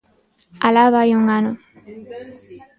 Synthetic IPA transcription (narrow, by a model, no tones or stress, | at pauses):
alaβajuŋano